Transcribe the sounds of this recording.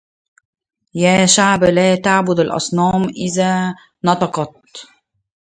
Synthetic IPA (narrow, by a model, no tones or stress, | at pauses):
jæːʃaʕblaːt̪aʕbʊd̪alʔɑ̰sˤnɑːmʔɪðaː | nɑt̪ɑqɑt̪̚